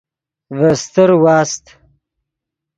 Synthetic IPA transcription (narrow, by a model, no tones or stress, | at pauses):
vəst̪əɾwɑːst̪